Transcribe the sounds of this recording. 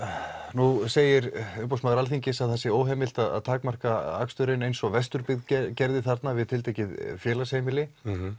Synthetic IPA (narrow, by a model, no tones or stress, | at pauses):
nuseːjɪɾʏpowsmaðʏɾalθiɲcɪsaðθɛsːɪoːwɦɛːmɪl̥t̪aða̰ðt̪ʰaːkmar̥kaa̰kst̪ʏɾɪnejnsɔɣvɛst̪ʏɾpɪɣðcɛcɛɾðɪθaɾt̪navɪðt̪ʰɪlt̪eːjcɪðfjɛːlashejmɪlɪ